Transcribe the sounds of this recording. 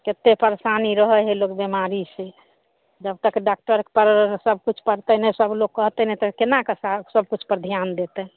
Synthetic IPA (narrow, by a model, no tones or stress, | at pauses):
ket̪ːepəɾsaniɾəɦəɦelokbemaɾise | d͡ʒəbt̪əkɖak̚ʈəɾkpəɾsəb̚ʱkut͡ʃʰpəɾt̪ɛnɛsəbloɡkːəɦt̪ɛnɛt̪ɔkenakəsasəb̚ʱkut͡ʃʰpəɾd̪ʱjand̪et̪ɛ